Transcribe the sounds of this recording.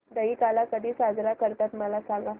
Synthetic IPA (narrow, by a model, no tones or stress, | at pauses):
d̪əikalakəd̪ʱiːsad͡zɾakəɾt̪at̪məlasãŋɡa